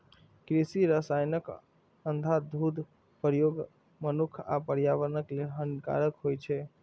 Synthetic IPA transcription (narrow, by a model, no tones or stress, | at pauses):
kɾisiɾəsajnək | ənd̪ʱad̪ʱud̪ʱ | pəɾjoɡ | mənukʰa̰pəɾjaʋəɾnəkleɦənka̰ɾəkɦojt͡ʃʰɛ